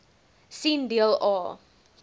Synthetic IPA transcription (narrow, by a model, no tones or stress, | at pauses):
sindiəlɔ